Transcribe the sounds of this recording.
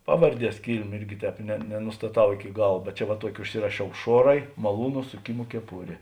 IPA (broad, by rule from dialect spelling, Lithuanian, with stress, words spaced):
ˈpɑːʋɐrʲˈdʲiɛs ˈkʲiːlʲmʲeː ɪrʲɡʲɪ ˈtʲɛːp nʲɛ nʲɛnʊstɐˈtɐʊ ɪkʲɪ ˈɡɐlˠ bʲɛt ˈt͡ʃʲɛ ʋɐ ˈtuɔkʲɪ ʊʃʲˈsʲɪrɐʃʲɛʊ ˈʃuɔrɐɪ mɐˈlˠuːnʊ sʊˈkʲɪmoː kʲɛˈpʊrʲeː